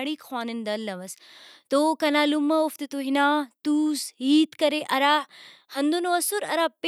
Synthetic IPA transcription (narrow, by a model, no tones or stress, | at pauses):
ɽiːkʰwaːnɪnd̪ɐlːɐʋɐst̪oːkɐnaːlumɐoft̪it̪uɦinaːt̪uːsɦiːt̪kɐɾeʔɐɾaː | hɐ̃nd̪unoɐsuɾɐ̰ɾaːpe